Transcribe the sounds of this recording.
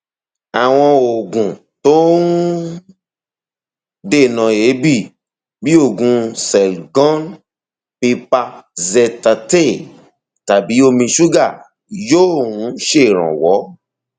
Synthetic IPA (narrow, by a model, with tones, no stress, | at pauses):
a˨w̃ɔ̃˧o˨ɡũ˨ | to˦n˦ | de˦˨nã˨e˨˦bi˦˨ | bi˦o˦˨ɡũ˧sɛ˨lɡɔ̃˦n | pi˧pa˧zɛ˧ta˧te˦˨ | ta˨bi˨˦o˧mĩ˧ʃu˦ɡa˦˨ | joː˦˨ũ˨˦ʃe˦˨ɾ̃ã̰˨wɔ˨˦